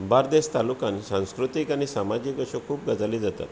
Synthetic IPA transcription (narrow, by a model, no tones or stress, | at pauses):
baɾd̪est̪alukãnsãw̃skɾut̪ikaɽ̃isamad͡ʑikəɕokʰuːp̚ɡəd͡zalid͡zat̪a̰t̪